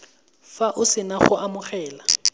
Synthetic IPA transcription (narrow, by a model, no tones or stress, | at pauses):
faʔʊsɪnaχʊʔamʊχɛːla